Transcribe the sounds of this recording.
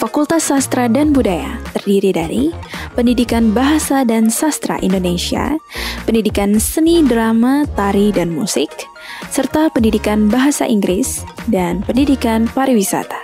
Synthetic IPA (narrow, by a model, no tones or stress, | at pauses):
fakult̪asast̪ɾadanbudaja̰t̪ərdiɾidaɾipəndidikanbaɦasadansast̪ɾa̰ʔḭndonesia̰pəndidikansənidɾamat̪aɾidanmusɪk̚ | sərt̪apəndidikanbaɦasa̰ʔiŋɡɾɪsdanpəndidikanpaɾiwisa̰t̪ḁ